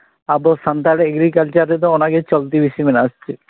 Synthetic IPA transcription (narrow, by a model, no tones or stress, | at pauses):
abosant̪aɽeeɡɾikalt͡ʃaɾːet̪̬ɔonaket͡ʃɔlt̪ibisimenast͡ʃʰi